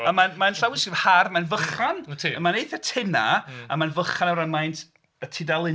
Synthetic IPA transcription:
amanmanɬawɪsɡiharmanvəχantʰmanejθatʰɪnaamanvəχanaɾaŋmajntʰ | ətʰɪdalˠɪ

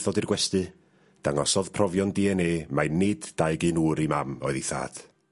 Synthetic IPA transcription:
θɔdirɡwɛstɨ | d̥aŋɔsɔðpʰrɔvjɔndiɛneːmajnːɪdd̥aɨɡɨnuːɾimamɔɨðiθa̰ːd̥

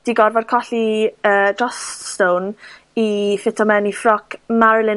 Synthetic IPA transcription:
d̥iɡɔrvɔd̥̚kʰɔɬiəːdɔststown | ifɪtʰɔmɛnifrɔkʰmaɾɪlˠɪ

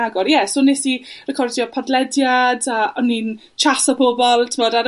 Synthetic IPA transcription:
aɡɔɾjɛsonːesirəkʰɔrdjɔpʰadlɛdjadaɔnːin | t͡ʃʰasabɔbɔlˠtʰɪmɔdaɾ

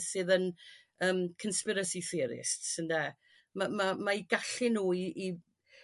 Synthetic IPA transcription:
sɨːðən | əːmkʰənspɪɾəsiθɪɾɪ̰stsəndɛ | mamamaiɡaɬɪnuːiʔː

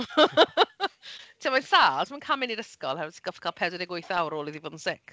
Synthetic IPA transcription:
tʰiːmansaːlˠtʰːmankʰamɪniɾəskɔlˠhɛrtʰi̥ɡ̥ɔfkʰaːlˠpʰɛdɛdɛɡʊjθawɾoːlˠiðivʊdn̩sɪk

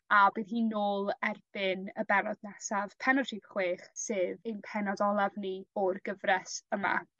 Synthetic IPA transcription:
abiːðɦiːnoːlˠɛrb̥ɨnəbɛɾɔdnɛsav̥pʰɛnɔriɡχweːχsɨːðejnpʰɛnɔdɔlˠavniɔrɡəvrɛsəma̰

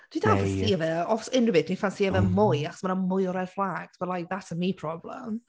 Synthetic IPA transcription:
d̥widafansiːəvɛɔsɪnɹɪbɪdifansiːəvɛmʊjaχɔ̥smanamʊjɔɾɛrflˠaɡ̥sb̥əlajk̚ðatsəmipʰr̥ɔblə̰m

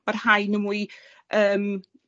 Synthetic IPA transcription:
barhajnəmui | əːm

